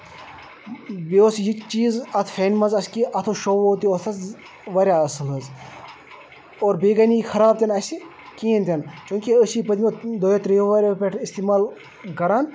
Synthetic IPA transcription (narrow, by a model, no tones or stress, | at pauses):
beosjit͡ʃiːzɐt̪ʰfʰeːnmɐnzɐskiʔɐt̪ʰoʃoʋoːt̪iot̪ʰɐz | ʋɐɾʲjaɐsɨlɐz | oːɾbeːɡɐnixʰɐɾaːb̚t̪ʲɐnɐsi | kiːɐnt̪ʲɐnt͡ʃũːŋkiəsipɐd̪ʲmod̪ojɐt̪ɾioʋɐɾʲɐpʲeʈʰist̪iːmaːl | kɐɾaːn